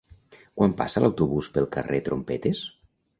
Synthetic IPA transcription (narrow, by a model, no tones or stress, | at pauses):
kwampa̰səlawt̪uβuspəlˠkə̰ret̪ɾompɛt̪es